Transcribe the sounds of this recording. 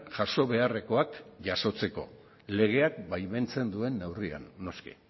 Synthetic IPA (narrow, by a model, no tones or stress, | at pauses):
ʝaso̞βe̞are̞ko̞akʝaso̞t͡se̞ko̞̰ | le̞ɣ̞e̞ak̚bajme̞nt͡se̞nd̪ue̞nːe̞wria̰nːo̞skḭ